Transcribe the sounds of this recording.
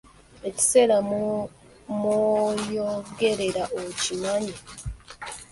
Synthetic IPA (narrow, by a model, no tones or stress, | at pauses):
e̞ci̥se̞ɾa | mojoɡe̞ɾe̞ɾaʔocimaɲi